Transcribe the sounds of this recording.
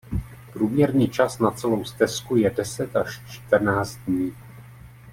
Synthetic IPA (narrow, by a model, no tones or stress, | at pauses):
pɾuːmɲɛɾɲiːt͡ʃasnat͡sɛlo̞wst̪ɛskujɛdɛsɛt̪aʃt͡ʃt̪r̩naːt͡st̪̚dɲiː